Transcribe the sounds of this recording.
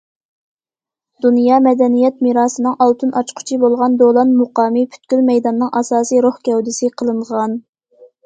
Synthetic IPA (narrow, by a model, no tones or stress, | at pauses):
d̪̥unjɑːmɛd̪ɛnijɛt̪̚miɾɑːsɨnɨŋɑlˠt̪ʰunɑt͡ʃqʰʊ̥t͡ʃʰibolˠʁɑnd̪olˠɑnmoqɑːmɨpʰy̥t̪kʲylmɛjd̪ɑnːɨŋʔɑsɑːsijɾohkʲɛwd̪ɪsɨqʰəlˠɨɴʁɑn